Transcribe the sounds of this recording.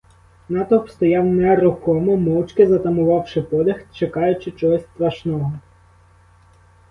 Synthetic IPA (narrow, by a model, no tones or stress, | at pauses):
nɑt̪ɔpst̪ɔjɑwnɛɾʊxɔmɔmɔwt͡ʃkɪzɐt̪ɐmʊʋɑwʃɪpɔd̪ɛxt͡ʃekɑjʊt͡ʃɪt͡ʃɔɦɔsʲst̪ɾɐʃnɔɦɔ